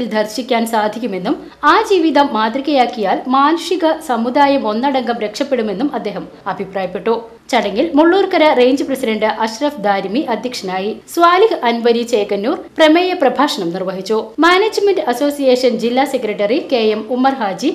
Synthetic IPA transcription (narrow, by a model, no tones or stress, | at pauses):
ild̪ʱɐrɕikʲːaːnsaːd̪ʱikʲːume̞nːum | aːd͡ʑiːʋiðɐmːaːd̪riɣɐjaːkːijaːlmaːnɐʂiɣɐsɐmud̪aːjɐmo̞nːɐɽɐŋɡɐmɾe̞kʂɐpːeɽume̞nːumɐd̪ːe̞ːɦɐm | ɐbʱipraːjɐpːeʈːu | t͡ɕɐɽɐŋːilmuɭːuːrkɐɾɐreːɲd͡ʑɨprɐsidɐɳɖɨʔɐɕrɐfd̪aːɾmiʔɐd̪ʱjɐkʂɐnaːjisʋaːlihɨɐnʋɐɾit͡ɕeːkɐnːuːrpremeːjɐprɐbʱaːʂɐɳɐmnirʋɐɦit͡ɕːumaːneːd͡ʑmenɖɐso̞ːsijeːʂɐnd͡ʑilːaːsekɾɐʈːɐrike̞ːjemumːɐrɦaːd͡ʑi